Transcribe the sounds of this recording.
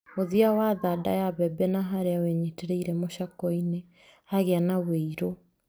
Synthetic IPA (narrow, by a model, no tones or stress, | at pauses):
oðiawaðada̰jaβɛbɛnaɦaɾeaweɲeteɾeiɾɛmoɕakɔine | haɣeanaweiɾo